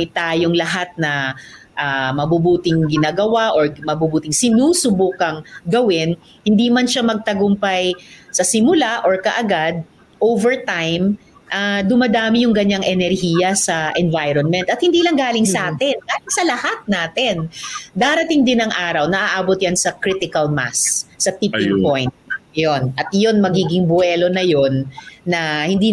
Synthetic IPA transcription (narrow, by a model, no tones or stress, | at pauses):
ɛjt̪aːjoŋlɐɦat̪̚nɐ | ʔaːmɐbubuːt̪ɪŋɡɪnaːɡɐwaʔoɹmɐbubuːt̪ɪŋsɪnuːsʊbukɐŋɡɐwɪn | hɪnd̪imɐnʃamɐɡ̚t̪ɐɡʊmpajsɐsɪmʊlaʔoɹkɐʔɐɡad̪̚ | ʔowvɛɹt̪ajm | ʔad̪ʊmɐd̪aːmɪjʊŋɡɐɲːaŋʔɛnɛɾhiːjɐsɐʔɛnvajɾonmɛnt̪ɐt̪̚hɪnd̪iːlɐŋɡaːlɪŋsɐʔaːt̪ɪnɡaːlɪŋsɐlɐhat̪̚naːt̪ɛnd̪aːɾɐt̪ɪŋd̪ɪnɐŋʔaːɾɐwnɐʔaʔaːbot̪̚jansɐkɾit̪ɪkɐlma̰sːɐt̪ipɪŋpojnt̪̚jonʔɐt̪̚jo̞nmɐɡiːɡɪŋbʊɛːlo̞nɐjonːɐhɪnd̪iː